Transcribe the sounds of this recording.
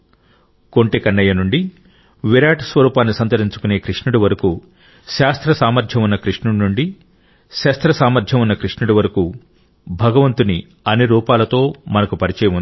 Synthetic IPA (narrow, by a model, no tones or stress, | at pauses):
ko̞ɳʈekɐnːɐjɐnuɳɖi | ʋiɾaːʈɐ̥sʋɐɾuːpaːnːisɐnt̪ɐɾiɲt͡ʃu̥kune̞ːkɾiʂɳuɽuʋɐɾɐku | ʃaːst̪ɾɐsaːmɐɾd͡ʒ̪ʱjɐmunːɐkɾiʂɳuɽnuɳɖi | ʃɐːst̪ɾɐsaːmɐɾd̪ʱjɐmunːɐkɾiʂɳuɽuʋɐɾɐku | bʱɐɡɐʋɐnt̪uni | ɐnːiɾuːpaːlɐt̪o̞ːmɐnɐkupɐɾit͡ʃɛːjɐund̪